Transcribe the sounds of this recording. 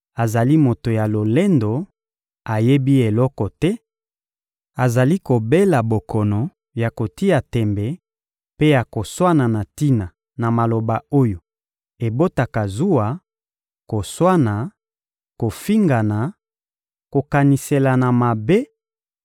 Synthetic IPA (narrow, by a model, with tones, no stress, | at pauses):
a˨za˨li˦mo˨to˨ja˨lo˨le˦ndo˨ | a˨je˦bi˦e˨lɔ˦kɔ˨tɛ˦ | a˨za˨li˦ko˨be˦la˨bo˨kʰɔ˨nɔ˨ | ja˨ko˨ti˦ja˨tɛ˨mbɛ˨ | pe˦ja˨ko˨swa˦na˨na˨ti˦na˨ | na˨ma˨lo˨ba˨o˦jo˨ | e˨bo˦ta˨ka˨zu˦wa˨ | ko˨swa˦na˨ | ko˨fi˦ŋɡa˨na˨ | ko˨ka˨ni˨se˨la˨na˨ma˨be˦